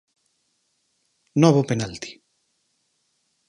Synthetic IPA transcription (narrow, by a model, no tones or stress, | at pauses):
nɔβopenalt̪i̥